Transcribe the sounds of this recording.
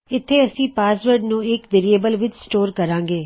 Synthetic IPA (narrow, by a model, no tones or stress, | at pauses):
ɪt̪ʰːeɐsĩːpaːsʋəɾɖnũːɪkdeɾieːbəlʋɪt͡ʃsʈoːɾkɐɾãːŋɡeː